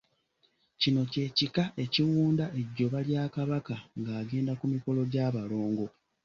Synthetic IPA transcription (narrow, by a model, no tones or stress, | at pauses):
cino̞ce̞ːcikaʔe̞ciwuːndaʔe̞ɟːo̞βaljaːkaβakaŋɡaːɡe̞ːndakumiko̞lo̞ɟaːβalo̞ːŋɡo̞